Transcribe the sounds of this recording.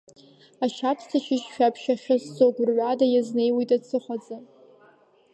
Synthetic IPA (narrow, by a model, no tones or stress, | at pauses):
aʃʰapʰstʰaʃʰɪʃʃᶣapʰʃaχʲast͡soɡʷrɥʷadajazne̞jwitʼat͡sʰɨχʷad͡zʼan